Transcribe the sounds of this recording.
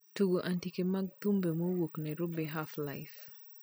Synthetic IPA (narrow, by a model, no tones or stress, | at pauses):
tuɡoʔantikemaɡ̚t̪umbemowoknɛɾʊbɛɦaflajf